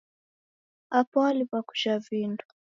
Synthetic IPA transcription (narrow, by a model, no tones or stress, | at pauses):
apalipaku̥t͡ʃaviːndu̥